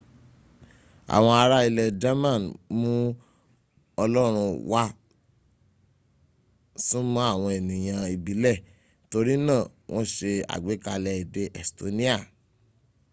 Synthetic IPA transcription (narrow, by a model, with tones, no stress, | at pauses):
a̰˨w̃ɔ̃˧a˧ɾa˦i˧lɛ˨d͡ʒa˦mã˦˨mũ˦ | ɔ˧lɔ˦ɾ̃ũ˧wa˦ | sĩ˦mũ˦a˦˨w̃ɔ̃˧e˨nĩ˨j̃ã˧i˨bi˨˦lɛ˦˨ | to˧ɾi˦nãː˦˨w̃ʔɔ̃˦ʃe˧a̰˨ɡ͡be˨˦ka˧lɛ˧i˨de˧˦ʔɛ˨sto˨nĩ˦a˦˨